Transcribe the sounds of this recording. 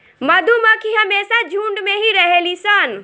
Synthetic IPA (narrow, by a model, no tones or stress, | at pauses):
məd̪ʱuməkʰiɦəmesad͡ʒʱũɳɖmeɦiɾəɦelisən